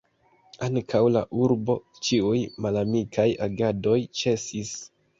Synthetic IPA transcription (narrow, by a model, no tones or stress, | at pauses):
aŋkʰawlaʔuɾbo̞ | t͡ʃiujmalamikʰajaɡado̞jt͡ʃe̞sis